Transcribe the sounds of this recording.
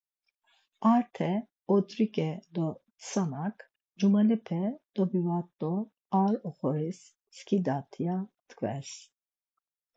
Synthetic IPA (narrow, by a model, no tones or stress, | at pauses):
aɾt̪ʰɛ | ɔt̪ʼɾikʼɛd̪ɔt̪sanakʼ | d͡ʒumɛlɛpʰɛd̪̥ɔbivat̪ʼːɔ | aɾɔχɔɾisː | kʰid̪at̪ʰijat̪kʰvɛ̰s